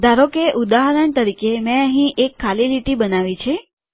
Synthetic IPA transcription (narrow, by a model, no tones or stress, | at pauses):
d̪ʱaɾokeʔud̪aɦɾəɳt̪əɾikemẽəɦĩʔekʰːaliɾiʈibənaʋit͡ʃʰe